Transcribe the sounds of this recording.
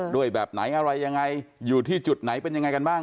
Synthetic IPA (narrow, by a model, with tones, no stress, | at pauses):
duː˥˩əjbɛː˨˩p̚na̰˩˦jʔa˧ɾa˧jːa˧ŋːa˧jːuː˨˩t̪ʰiː˥˩t͡ɕu˨˩t̪̚na˩˦jpe˧nja˧ŋːa˧jka˧nbaː˥˩ŋ